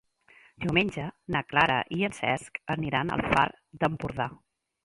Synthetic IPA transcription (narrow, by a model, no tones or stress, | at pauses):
d̪iwmeɲʲʒənəklaɾə̰ʔiənsɛ̰skəniɾanə̰lˠfa̰ɾ | d̪əmpuɾða